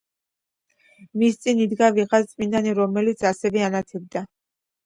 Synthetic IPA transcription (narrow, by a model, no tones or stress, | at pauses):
mist̪sʼinid̪ɡaviʁat̪sʼminaniɾɔmɛlit̪sʰasɛvɛanat̪ʰɛb̚d̪a